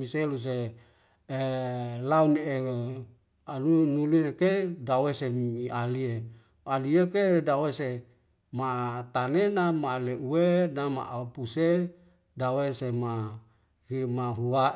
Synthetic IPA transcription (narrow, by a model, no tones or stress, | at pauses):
miselus̬e | launee | anunulinekedawesemialie | aliekedawese | mat̪anenamaleuenama̰ʔapuse | dawesema | himaɦua